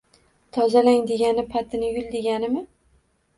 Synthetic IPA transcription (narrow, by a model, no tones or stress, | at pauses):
t̪ʰɒzalaŋd̪e̞ɡʲanɪpʰat̪ʰɪnɪjʊlˠd̪e̞ɡʲanɪmɪ